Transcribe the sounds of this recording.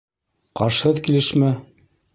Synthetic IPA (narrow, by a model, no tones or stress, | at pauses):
qɑʃhɤðkilɘʃmɘ